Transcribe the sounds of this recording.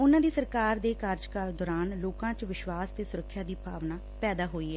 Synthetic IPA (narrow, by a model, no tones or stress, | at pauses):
ʊnãːd̪iːsəɾkaːɾd̪eːkaːɾd͡ʒkaːld̪ɔːɾaːnloːkãːt͡ʃʋɪʃʋaːst̪eːsʊɾəkʰːjaːd̪iːpʰaːʋnaː | pɛːd̪aːɦoːiːɦɛː